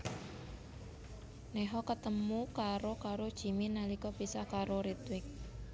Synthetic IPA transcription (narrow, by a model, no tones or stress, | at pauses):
nɛɦɔkət̪əmukaɾokaɾod̥ʒ̥i̤minalikɔbisakaɾoɾit̪wɪk̚